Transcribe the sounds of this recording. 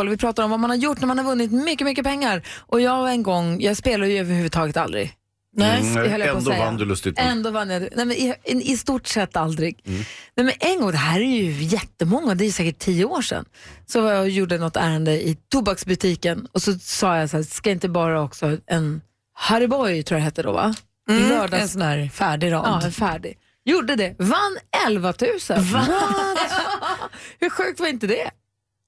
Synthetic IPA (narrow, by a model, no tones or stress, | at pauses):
ɔlvɪpʰɾɑːt̪aɾɔmvamanhaɾjʊʈːnæɾmanhaɾvɵnːɪt̪mʏkːəmʏkːəpɛŋːaɾʔɔjɑːɡɛnɡɔŋːjɑːɡspeːlad̪əjʏœvəɾhʉ̟vːd̪t̪ʰɑːɡət̪a̰ld̪ɾɪ̰ɡ | nɛhœljpɔsɛand̪lɵst̪ɪɛnd̪oːvanːjad̪nɛmɛnɪɛɪst̪uʈsɛt̪ːald̪ɾɪɡnɛmɛnʔɛnɡɔŋd̪ɛɦæːɾæɾjɵjɛt̪ːəmɔŋːad̪ɛæɾjʉsɛːkəʈʰːijəoːʂɛ̰nsɔvajɑjuːɖənɔt̪ːæːɾənd̪əɪt̪ʰʊbaksbɵt̪ʰiːkənɔsɔsɑːjasæːskaɪnt̪əbɑːɾaɔksɔʔɛn | haɾɪbɔjt̪ʰuːjaɦɛt̪ːəɖɔ̰va̰ | lœːɖɑsɔnæːɾfæːɖɪɾɑːɑːɛnfæːɖɪ | juɖəd̪ɛvanːɛlvat̪ʰʉ̟ːsənv | hɵɧʉ̟ːk̚t̪vaɾɪnt̪əd̪ɛ